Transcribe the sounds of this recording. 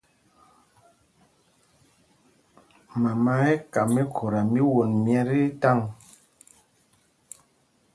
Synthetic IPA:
ma˨ma˦e˦ka˨me˦kʰo˨ɾa˨mi˦wo˨nmjɛ˦ɾi˦ta˦˨ŋ

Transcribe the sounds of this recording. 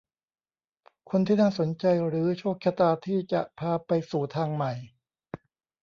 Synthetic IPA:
kʰo˧nt̪ʰiː˥˩naː˥˩so˩˦nt͡ɕa˧jɾɯː˩˦t͡ɕʰoː˥˩k̚t͡ɕʰa˧t̪aː˧t̪ʰiː˥˩t͡ɕa˨˩ʔpʰaː˧pa˧jsuː˨˩t̪ʰaː˧ŋma˨˩j

